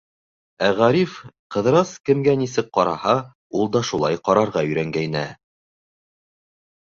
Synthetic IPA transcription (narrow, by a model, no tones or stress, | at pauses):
æʁæɾifqɤ̆ðɾɑskɘ̆mɡænisɘk̚qɑɾɑ̰hɑ | ulˠd̪ɑʃulˠɑjqɑɾɑɾʁɑɵ̆jɾæŋɡæjnæ̰